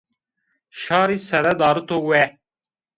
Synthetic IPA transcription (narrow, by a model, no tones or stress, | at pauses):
ʃɑːɾiːsɛɾɛd̪ɑːɾɨt̪oːwɛ